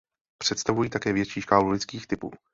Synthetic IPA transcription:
pr̝̥ɛt̪st̪avujiːt̪akɛːvjɛt͡ʃiːʃkaːlulɪt͡skiːxt̪ɪpṵː

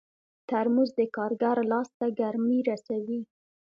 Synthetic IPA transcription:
t̪aɾmuzd̪əkɑɾɡaɾlɑst̪aɡaɾmiɾasawi

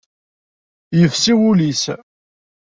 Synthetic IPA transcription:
jəfsiwulis

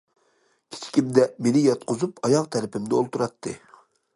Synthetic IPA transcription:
kʲʰi̥t͡ʃʰi̥kʲimd̪ɛmenɪjɑt̪̚qʊzupɑjɑʁt̪ʰæɾɪpʰɪmd̪ɪolˠt̪uɾɑt̪ʰːɨ

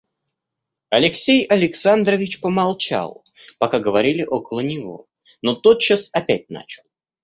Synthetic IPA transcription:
ɐlʲɪksʲejɐlʲɪksand̪ɾəvʲɪt͡ɕpəmɐlˠt͡ɕa̰lˠ | pɐkaɡəvɐɾʲilʲɪʔo̞kəlˠənʲɪvo̞̰ | not̪ot̪̚t͡ɕːasɐpʲæt̚ʲna̰t͡ɕɪlˠ

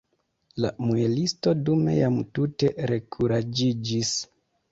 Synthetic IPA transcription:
la̰muelisto̞dume̞̰jamtute̞ɾe̞kʰuɾad͡ʒid͡ʒis

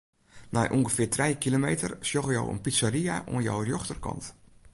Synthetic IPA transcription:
na̰jʔuŋɣəfɪːrtrɛjkilomeːtə̰rsjɔɣjo̰wə̰npitsariaʔṵənjo̰wrjoxtərkɑ̰nt

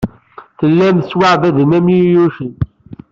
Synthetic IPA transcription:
θəlːæmswaʕvæðənæmjijuʃən

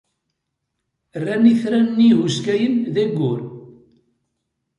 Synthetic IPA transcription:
ərːæniθɾænnːiɣuskæjənðæɡːʊɾ

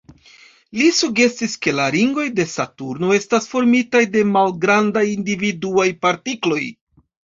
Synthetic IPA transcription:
lisuɡe̞siske̞laɾiŋɡo̞jde̞satuɾno̞e̞stasfo̞ɾmitajde̞malɡɾandajindividuajpaɾtiklo̞j

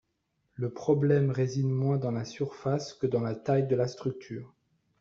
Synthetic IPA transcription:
ləpχɔblɛmʁezinmwɛ̃d̪ɑ̃lasyʁfaskəd̪ɑ̃lat̪ajd̪əlast̪χyk̚t̪ʰyːʁ

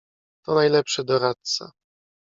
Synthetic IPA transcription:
t̪ɔnajlɛpʂɛd̪ɔɾat̪̚sa̰

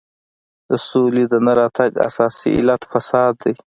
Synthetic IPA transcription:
d̪̥əsolid̪ənaɾɑt̪aɡa̰sɑsḭʔɪ̰lat̪fasɑd̪ːaj

